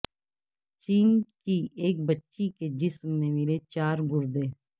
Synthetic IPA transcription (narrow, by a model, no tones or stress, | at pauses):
t͡ʃiːnkiːeːk̚bətːʃiked͡ʒɪsmnemɪlet͡ʃaːɾɡʊɾd̪eː